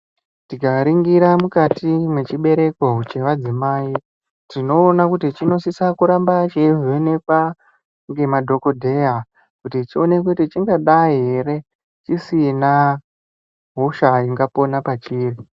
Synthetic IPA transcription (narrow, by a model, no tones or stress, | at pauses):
tikaɾiŋɡiɾamukatimwe̞t͡ʃiɓe̞ɾe̞kot͡ʃe̞ʋad͡zimaːi | tino̞ːnakutit͡ʃino̞sisakuɾambat͡ʃeʐene̞kwa | ŋɡe̞madʱo̞ko̞dʱeɦa | kutit͡ʃio̞nek̬utit͡ʃiŋɡaɗaiɦeɾe̞ | t͡ʃisina | ɦoʃaiŋɡapo̞napat͡ʃiːri